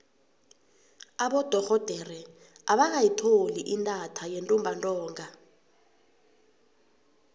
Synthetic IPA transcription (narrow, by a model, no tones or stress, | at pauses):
aɓɔd̥ʱɔxɔd̥ʱɛrɛ | aɓak̬ajitʰoliʔintʼatʰajentʼumbʱantʼɔːŋa